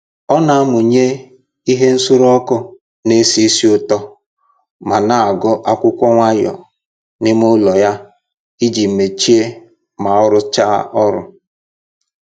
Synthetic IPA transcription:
ɔ˦na˨a˦mʊ˨ɲe˦ | i˦ɦe˦n̩˦sʊ˦ɾɔ˦kʊ˦ | ne˦si˦si˦ʊ˦tɔ˦ | ma˨na˨a˨ɡɔ˦ʔa˦kʷʊ˦kʷɔ˦ŋʷa˦jɔ̰˨ | nɪ˦mʊ˦lɔ˨ja˦ | i˦d͡ʒi˨m̩˨me˨t͡ʃi˦e˦ | ma˨ɔ˦ɾʊ˦t͡ʃa˦ʔɔ˦ɾʊ̰˦

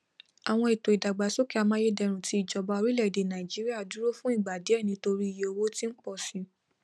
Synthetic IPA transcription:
a˨w̃ɔ̃˧i˨to˨i˨da˨ɡ͡ba˨˦so˦ki˦a˧mãː˦je˦dɛ˧ɾ̃ũ˨ti˧˦˨d͡ʒɔ˨ba˧˦o˧ɾi˦lɛ˦˨de˨nã˨i˨d͡ʒi˨˦ɾi˦a˦˨du˨˦ɾo˦fũ˦i˦˨ɡ͡ba˨de˨˦ɛ˦˨nĩ˧˦to˧ɾi˦i˦˨je˨o˧wo˦tĩ˦n̩˦k͡pɔ˦˨sĩ˨˧˦

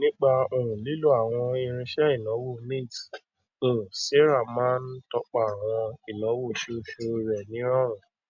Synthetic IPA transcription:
nĩ˦k͡pa˧o˨ɾ̃ũ˨li˨˦lu˦a˦˨w̃ɔ̃˧i˧ɾ̃ĩ˧ʃɛ˦i˦˨lɔ̃˨˦wo˦˨nĩ˦˨t | o˨se˦ɾa˦˨mã˦n̩˦tɔ˦k͡pa˨a˨w̃ɔ̃˧i˨lɔ̃˨˦wo˦˨ʃo˧ʃo˧ɾɛ˨nĩ˨˦ɾ̃ɔ̃˦ɾ̃ũ˨

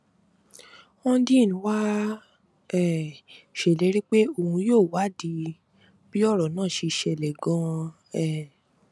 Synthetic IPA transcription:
ɔ̃˧˦dĩ˦˨nĩ˨˧˦wa˦ | ɛ˨ʃe˨le˨˦ɾi˦k͡pe˦o˧˨hũ˧joː˦˨wa˨˦˨di˧ | b̥i˦ɔ˦˨ɾɔ˨nãː˦˨ʃe˧ʃɛ˧˨lɛ˨ɡã˧ | ɛ˦˨

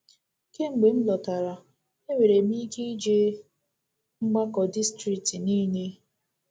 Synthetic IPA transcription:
ke˦ŋ͡m̩˨ɡ͡be˨m̩˦lɔ˨ta˨ɾa˨ | e˦wʷe˨ɾe˨mi˦ɡe˦i˦d͡ʒe˦ | ŋ͡m̩˦ɡ͡ba˦kɔ˨di˦stɾi˨k̚ti˨niː˦ne˦

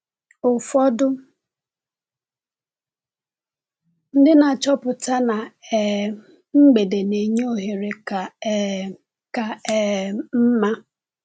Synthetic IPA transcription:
ʊ˨fɔ˦dʊ˦ | n̩˦dɪ˦na˨t͡ʃɔ˦pʊ˨ta˦na˨ɛ˨ | ŋ͡m̩˦ɡ͡be˨de˨ne˨ɲ˦o˦ɦe˨ɾe˨ka˨ | ka˨ɛ˨m̩˦ma˦

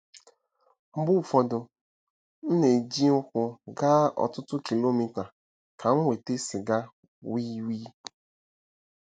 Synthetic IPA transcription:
ŋ͡m̩˨ɡ͡bʊ˦˨fɔ˨dʊ˨ | n̩˦ne˨d͡ʒi˦ŋ̩˦kʷʊ˨ɡa˦ɔ̰˨tʊ˦tʊ˦ki˨lo˦mi˨ta˨ | kʰa˨ŋ̩˦wʷe˨te˦sɪ˨ɡa˦ | wi˦wi˦

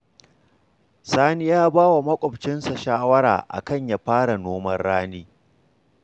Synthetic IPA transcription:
saː˦ni˦jaː˦baː˦wa˨mɐ˦kʷʼɔ˨bt͡ʃɪ˦nsa˨ʃaː˦wɐ˦ɾa̰ː˨ʔa̰˨kɐ˦˨ɲja˨ɸaː˦ɽa˨noː˦mɐ˦rːaː˦niː˦

